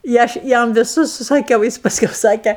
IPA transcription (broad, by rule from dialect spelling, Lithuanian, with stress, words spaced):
ɪ ˈɐʃ ˈjɛm ʋʲɪˈsʊs sʊsɐˈkʲɛʊ ˈjɪs pɐsʲˈkʲɛʊ ˈsɑːkʲeː